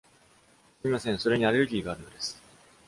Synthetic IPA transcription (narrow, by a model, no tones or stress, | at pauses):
sɨɾʲimasẽ̞ɰ̃so̞ɾe̞ɲ̟iaɾeɾɯ̟ɡʲiːɡaːɾɯ̟no̞d̪esɨ̥